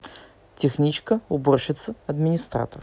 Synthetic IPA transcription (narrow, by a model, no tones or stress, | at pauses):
tʲɪxnʲit͡ɕkəʊborɕɪt̪səɐd̪mʲɪnʲɪst̪ra̰t̪ər